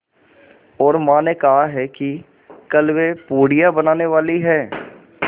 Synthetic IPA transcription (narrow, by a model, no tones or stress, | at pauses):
ɔːɾmãːnekɐɦaɦɛki | kəlwepoːɽijabənaːneʋaːliɦɛː